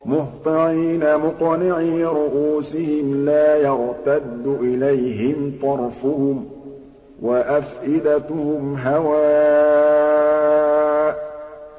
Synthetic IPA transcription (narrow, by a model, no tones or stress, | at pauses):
mʊht̪ˤɨʕiːnamʊqnɪʕiːɾʊʔuːsɪhɪmlaːjaʕt̪ad̪ːʊʔɪlajɦɪmt̪ˤɑɾˤfʊhʊm | waʔafʔɪd̪at̪ʊhʊmɦawaː